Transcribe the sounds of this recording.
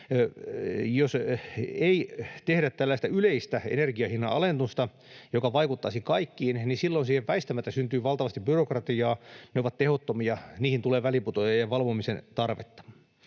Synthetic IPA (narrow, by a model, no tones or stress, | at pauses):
joseit̪ehɾæt̪t̪ælːæist̪æyleist̪æḛnerɡiɑhinːɑɑlent̪ust̪ɑ | jokɑʋɑikut̪ːɑːsikɑikːiːnnisilːonsiːheʋʋæist̪æmæt̪ːæsynt̪yːʋɑlt̪ɑʋɑst̪ibyrokrɑt̪iɑːneoʋɑt̪t̪ehot̪ːomiɑniːhint̪uleːʋæliput̪ojɑjjɑʋɑlʋomisent̪ɑrʋḛt̪ːɑ̥